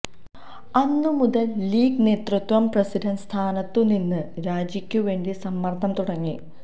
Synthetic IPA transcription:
ɐnːumuðɐlːiːɡne̞ːt̪rɨt̪wɐmprɐsidɐnst̪ʰaːnɐt̪ːuninːɨɾaːd͡ʑikʲːuʋe̞ːɳɖisɐmːɐrt̪ʰɐmt̪uɽɐŋːḭ

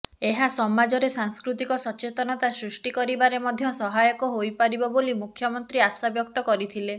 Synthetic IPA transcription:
eɦasɔmad͡ʒɔɾesaŋskɾut̪ikɔsɔt͡ʃet̪ɔnɔt̪asɾusʈikɔɾibaɾemɔd̪ʱjɔsɔɦajɔkɔɦojpaɾibɔbolimukʰjɔmɔnt̪ɾiasabjɔkt̪ɔkɔɾit̪ʰile

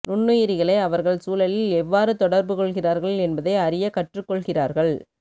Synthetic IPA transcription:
nʊɳːɯjɪɾɪɣɐɭɐɪɐʋɐɾɣɐɭsuːlɐlɪlɛʋːaːɾɯt̪ɔɽɐɾbɯkɔɭɣɪraːɾɣɐɭɛnbɐðɐɪɐɾɪjɐkɐʈrɯkːɔɭɣɪraːɾɣɐɭ

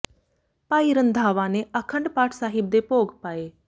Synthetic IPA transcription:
paːiɾənd̪ʱaːʋãːneəkʰə̃ɳɖpaːʈʰsaːɦɪb̚d̪epoːɡpaːeː

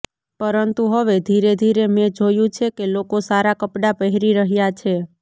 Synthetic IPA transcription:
pəɾənt̪uɦəʋed̪ʱiɾed̪ʱiɾemẽd͡ʒojũt͡ʃʰekelokosaɾakəpɽapəɦɾiɾəɦjat͡ʃʰe

